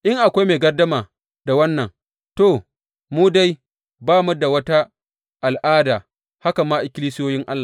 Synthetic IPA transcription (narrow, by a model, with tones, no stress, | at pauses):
ʔɪ˦ŋʔa˨kʷa˦jmeː˨ɡɐ˦rdɐ˦maː˨ | da˨wɐ˦nːɐ˨ŋ | toː˦˨ | muː˦da˦j | baː˦mɐ˦da˨wɐ˦ta˦ | ʔa˨lʔaː˦daː˨ | ha˦ka˨mːaː˦ʔɪ˨kʲɪ˦li˦sɪ˦joː˦jɪ˦ŋʔa˦lːa˨